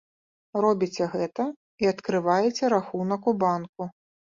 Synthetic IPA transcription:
rɔbʲit͡sʲɛɣɛt̪ɐ | iɐt̪kɾɨvajɛt͡sʲɛɾaxunɐkubanku

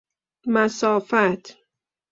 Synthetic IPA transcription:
mæsɒːfæt̪ʰ

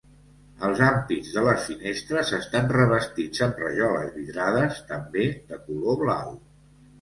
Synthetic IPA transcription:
əlˠzampidzðələsfinest̪ɾəzəst̪anrəβ̞əst̪id͡zəmrə̰ʒɔlə̰zβiðɾaðəst̪əmbeðəkuloβlaw

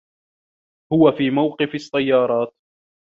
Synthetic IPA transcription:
hʊwafiːmawqɨfɑsːajːɑːɾˤɑːt̪

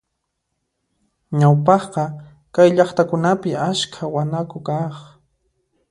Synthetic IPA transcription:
ɲawpɑχqɑ | kajʎɑχt̪akʊnapɪaskʰawanakʊkɑχ

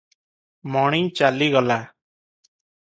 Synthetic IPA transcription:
mɔːɳ̃ĩːt͡ʃaːliːɡɔlaː

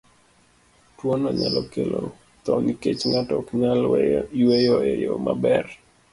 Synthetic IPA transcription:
twonɔɲalɔkelo | t̪ɔniket͡ʃŋatɔkɲaliwejɔejomabɛr

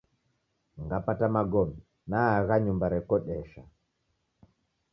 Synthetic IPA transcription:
ŋɡapatamaɡɔmi | naaɣaɲumbaɾɛkɔɗɛʃa

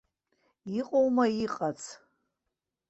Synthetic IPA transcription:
iqʼowmaiqʼat͡sʰ

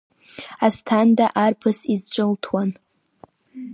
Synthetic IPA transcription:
astʰandaʔarpʰɨsizt͡ʃʷʼɨltʰwan

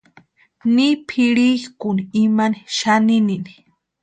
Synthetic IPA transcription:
nipʰiɺikuniimaniʃaninini̥

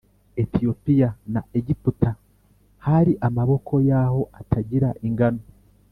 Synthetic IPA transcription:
etijo̞pijanaeɟiputa | haɾiʔamaβo̞kʰo̞jaho̞ʔatʰaɟiɾaʔiŋɡano

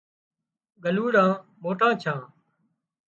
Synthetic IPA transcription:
ɡəluːɽãːmoːʈãːt͡ʃʰãː

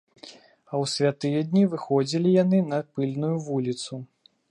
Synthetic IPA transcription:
ɐwsʲvʲat̪ɨjɛd̪ʲnʲivɨxɔd͡zʲilʲijanɨnɐpɨlʲnujuvulʲit̪su

